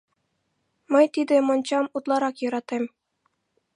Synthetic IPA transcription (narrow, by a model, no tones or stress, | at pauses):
mʲɘ̆jt̪ʲid̪ʲɘ̆mɤ̆nt͡ɕɑmut̪lˠɑɾɑkjɤ̆ɾɑt̪ʲem